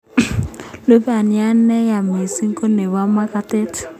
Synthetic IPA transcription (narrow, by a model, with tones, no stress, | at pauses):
lo˦ba˨nja˦n˦nɛ˦ja˨me˨si˦ŋ̩˦ko˦ne˨wa˦ma˦ka˦te˦t